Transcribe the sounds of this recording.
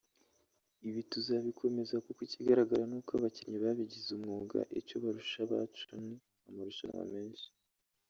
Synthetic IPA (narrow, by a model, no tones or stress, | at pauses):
iβituzaβikʰo̞me̞zakokwiciɡaɾaɡaɾanukaβaciɲiβaβiɟizumŋuːɡa̰ʔico̞βaɾuʃaβa̰t͡ʃuni | amuɾuʃa̰nŋa̰meːnʃi̥